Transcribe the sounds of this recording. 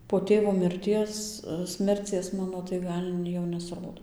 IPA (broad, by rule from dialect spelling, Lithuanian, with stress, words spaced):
poː ˈtʲeːʋoː mʲɪrʲˈtʲiɛs ˈsʲmʲɛrʲt͡sʲiɛs ˈmɑːnoː tɐɪ ˈɡɐlʲ jɛʊ nʲɛsˈroːdoː